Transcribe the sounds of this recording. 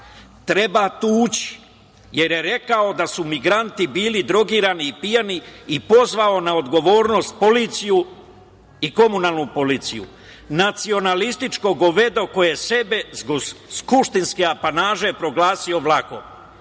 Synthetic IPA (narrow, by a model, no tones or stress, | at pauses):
t̪ɾe̞bat̪uːt͡ɕi̥ | je̞ɾje̞ɾe̞kao̞d̪asumiɡɾant̪ibiːlid̪ɾo̞ɡiːɾaniːpijaniipo̞zʋao̞naod̪ɡo̞ʋo̞ːɾno̞st̪̚po̞lit̪siju | iko̞munaːlˠnupo̞liːt̪sijṵ | nat̪sio̞nalist̪it͡ʃko̞ɡoʋe̞d̪o̞ko̞jese̞be̞ɡskuʃt̪inskeapanaːʒe̞pɾo̞ɡlaːsio̞ʋlˠako̞̰